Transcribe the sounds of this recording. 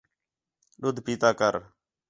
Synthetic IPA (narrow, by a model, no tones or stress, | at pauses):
ɗʊd̪ʱpiːt̪aːkəɾ